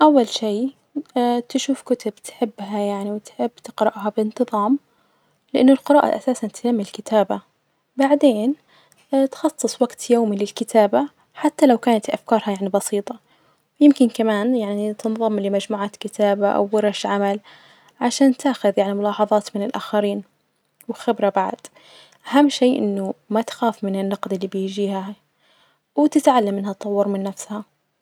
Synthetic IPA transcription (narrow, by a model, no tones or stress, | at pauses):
ʔawːalʃiː | t̪ɪʃuːfkʊt̪ʊbt̪ħɪbːɦajaʕniwɪt̪ħɪbːt̪ɪqɾɪʔɦabɪɪnt̪ɨðˤɑːm | lɪʔɪnːʊlqɪɾɑːʔa̰ʔasaːsant̪jamːillkɪt̪ʰaːba | baʕd̪eːn | t̪xɑsˤːɨsˤwaɡt̪joːmilɪlkɪt̪ʰaːba | ħat̪ːalawkaːnat̪ʔafkɑːɾˤhɑjaʕnibɑsiːt̪ˤɑ | wjɪmkɪnkamaːnjaʕnit̪ɨnðˤɑmlɪmad͡ʒmuːʕat̪kɪt̪aːbaʔa̰wːɪɾɑʃʕamal | ʕaʃaːnt̪aːxʊðjaʕnimʊlɑːħɑðˤɑːt̪mɪnɪlʔa̰ːxaɾiːn | wxɪbɾabaʕd̪̥ | ʔaɦamːʃeːʔɪnːʊmat̪xaːfmɪnɪnːɑqd̪ɪlːibɪjd͡ʒiːha | wt̪ɪt̪ʕalːamːɪnhat̪̚t̪ˤːɑwːɑɾˤmɪnːafsha